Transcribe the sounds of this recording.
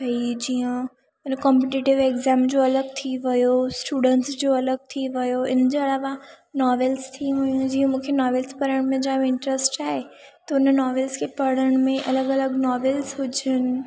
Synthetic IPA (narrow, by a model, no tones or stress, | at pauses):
bɐid͡ʑiːə̃ | ɪnkɔ̃mpeʈiʈɪʋeːɡzɛ̃ːmd͡ʑoɐləɡ̚t̪ʰiʋɐjosʈuːɖə̃ɳʈsd͡ʑoːɐləɡ̚t̪ʰiʋɐjoɪnəd͡ʑeɐlaʋa | nɔːʋelst̪ʰĩʋʊjũd͡ʑiːə̃mũːkʰenɔːʋelspɐɾəɽ̃mẽd͡ʑaːʋ̃ɪ̃ɳʈɾəsʈaːɦe | t̪ɐʊnənɔːʋelskʰepɐɽəɽ̃mẽʔɐləɡɐləɡnɔːʋelsɦʊd͡ʑənɪ̆